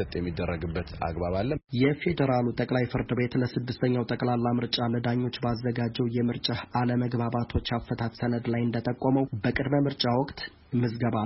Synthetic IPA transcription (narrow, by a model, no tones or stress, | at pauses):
ət̪ʼjɛmːid̪ːərːəɡɨbːət̪a̰ɡbaβalːəjɛfe̞d̪əɾalut̪ʼəkʼlajfɨɾd̪ɨbe̞t̪ləsɨd̪ːɨst̪ʰəɲːawt̪ʼəkʼlalːamɨɾt͡ʃʼaləd̪aɲːo̞t͡ʃːbəazːəɡad͡ʒɛwjɛmɨɾt͡ʃʼahaləməɡbaβat̪ʰo̞t͡ʃːafːət̪ʰat̪sənəd̪lajɨnd̪ət̪ʼəkʼːɔməwbəkʼɨd̪məmɨɾt͡ʃʼawɔkʼt̪ | mɨsɡəβa